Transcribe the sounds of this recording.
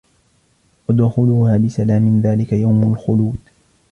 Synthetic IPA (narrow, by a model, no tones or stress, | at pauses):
wad̪ʊxʊluːhaːbɪsalaːmɪnðaːlɪkajawmalxʊluːd̪